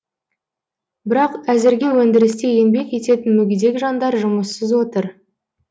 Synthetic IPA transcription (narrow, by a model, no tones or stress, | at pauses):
bɪɾɑqæzɪɾɡʲe̞wɵnd̪ɪɾɪst̪e̞je̞nbe̞kʲe̞t̪e̞t̪ɪnmɵɡʲɪd̪e̞kʒɑnd̪ɑɾʒʊməsːəzwo̞t̪əɾ